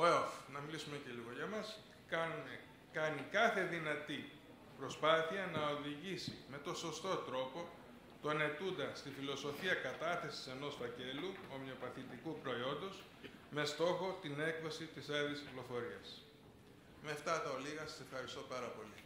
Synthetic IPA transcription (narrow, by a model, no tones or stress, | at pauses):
oeofnɐmilisume̞ce̞liɣo̞ʝɐmɐs | kɐnikɐθe̞ðinɐt̪i | pɾo̞spɐθiɐnɐo̞ðiʝisime̞t̪o̞nso̞st̪o̞t̪ɾo̞po̞ | t̪o̞ne̞t̪und̪ɐst̪ifilo̞so̞fiɐkɐt̪ɐθe̞si̥se̞no̞sfɐce̞luo̞mo̞pɐθit̪ikupɾo̞io̞nd̪o̞s | me̞st̪o̞xo̞t̪ine̞kðo̞sit̪isɐðisciplo̞fo̞ɾiɐs | meɐft̪ɐt̪ɐoliɣɐsɐ̥sefxɐɾist̪o̞pɐɾɐpo̞li